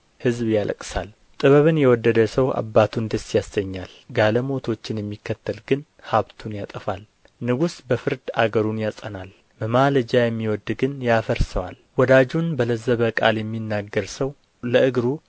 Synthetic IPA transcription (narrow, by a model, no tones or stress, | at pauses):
hɨzbjalə̰kʼsa̰l | t̪ʼɨβəβɨnjɛwɔd̪ːəd̪əsəwa̰bːat̪ʰund̪əsːjasɡəɲːalɡaləmo̞t̪ʰo̞t͡ʃːɪnjɛmːikːət̪ːəlɡɨn | haβt̪ʰunjat̪ʼəfal | nɨɡusbəfɨɾd̪a̰ɡəɾunjasʼənal | məmaləd͡ʒajɛmːiwɔd̪ɡɨnjafəɾsəwa̰lwɔd̪ad͡ʒunbələzəβəkʼa̰ljɛmːinːaɡːəɾsəw | ləɨɡɾu